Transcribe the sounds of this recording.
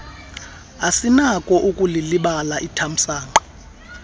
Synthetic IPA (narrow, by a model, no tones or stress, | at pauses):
asinakʼɔʔukʼuliliɓalaʔitʰam̩saːŋ͡ǃa